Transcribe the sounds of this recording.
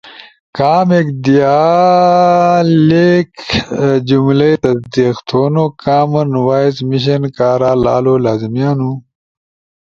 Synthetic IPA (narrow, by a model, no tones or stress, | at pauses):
kaːmekd̪ijaː | leːk | d͡ʑumlejt̪ɐsd̪ixt̪ʰoːnokaːmɐnwaːjzmiɕ̬ɐnkaːɾaːla̰ːloːlaːzimijaːnu